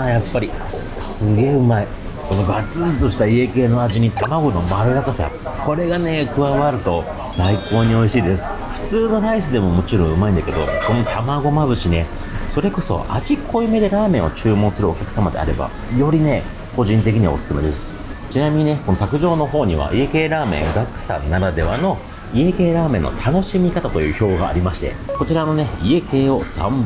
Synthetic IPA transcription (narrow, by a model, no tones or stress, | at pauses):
ajapːaɾʲi | sɨɡe̞ːɯ̟mai | ko̞no̞ɡat͡sɨːt̪o̞ɕi̥t̪aie̞ke̞ːno̞aʑiɲ̟it̪amaɡo̞no̞maɾɯ̟ɾakasa̰ | ko̞ɾe̞ɡane̞kɯ̟βaβaɾɯ̟t̪o̞ | saiko̞ːɲ̟io̞iɕiːd̪e̞sɨ̥ | ɸɯ̟̥t͡sɨːno̞ɾaisɨd̪e̞mo̞mo̞t͡ɕiɾõ̞ɰ̃ɯ̟maĩnd̪ḁke̞d̪o̞̰ko̞not̪ʰamaɡo̞maβɯ̟ɕine̞ | so̞ɾe̞ko̞so̞̰ʔaʑikʰo̞ɯ̟me̞d̪e̞ɾaːmẽɰ̃o̞t͡ɕɨːmõɰ̃sɨɾɯo̞kʲakɯ̟̥samad̪e̞̰a̰ɾe̞̰ba̰ | jo̞ɾʲine̞ | ko̞ʑĩnt̪e̞kʲiɲ̟iβa̰osɨ̥sɨme̞d̪e̞sɨ̥ | t͡ɕinamʲiɲ̟ine̞ko̞not̪akɯ̟ʑo̞ːno̞ɦo̞ːɲ̟iβ̞a̰ʔie̞ke̞ːɾaːmẽ̞̰ŋɡakɯ̟̥sã̰nnːaɾad̪e̞βano̞ | ie̞ke̞ːɾaːmẽ̞nːo̰t̪ʰano̞ɕimʲikat̪at̪o̞jɯ̟ːço̞ːɡa̰ːɾʲimaɕi̥t̪ḛko̞t͡ɕiɾano̞ne̞ie̞kʰe̞ːo̞sã̰mb